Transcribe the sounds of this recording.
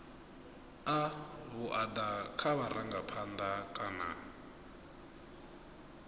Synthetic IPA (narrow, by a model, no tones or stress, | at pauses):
aβuʔad̪akʰaβaɾaŋɡapʰand̪akʼana̰